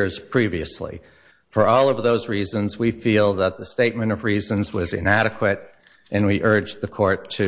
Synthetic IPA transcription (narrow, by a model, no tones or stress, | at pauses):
ɹz̥pʰɹ̥iviɨslḭ | fə˞ɔlˠʌvðoʊzɹizə̃nzwifilˠðət̪̚ðəsteɪt̚mɨ̃ñʌvɹizɨ̃nzwʌzɨ̰̃næɾɨkʰwɨɾ | ʔɨ̃nwiʔɜ˞d͡ʒðɨkʰɔɹtʰɨ